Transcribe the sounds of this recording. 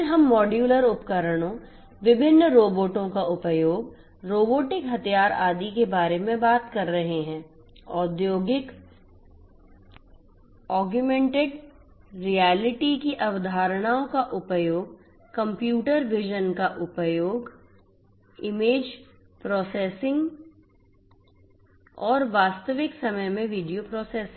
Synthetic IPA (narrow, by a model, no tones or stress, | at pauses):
ɾɦɐmːɔːɖjuːləɾʊpkəɾəɽ̃õ | ʋɪbʱɪnːɾoːboːʈõkaʔʊpəjoːɡ | ɾoːboːʈɪkɦɐt̪ʰijaːɾaːd̪ikebaːɾemẽbaːt̪kɐɾːɐɦeɦɛ̃ː | ɔːd̪joːɡɪk | ɔːɡjumẽːɳʈeɖ | ɾijɛːlɪʈikiʔɐʋd̪ʱaːɾəɽ̃aːõkaʔʊpəjoːɡ̚ | kɐ̃mpjuːʈəɾʋɪʒənkaʔʊpjoːɡ | ɪmeːd͡ʒ | pɾɔːseːsɪ̃ŋɡ | ɔːɾʋaːst̪əʋɪksɐməjmẽʋiːɖijopɾɔːseːs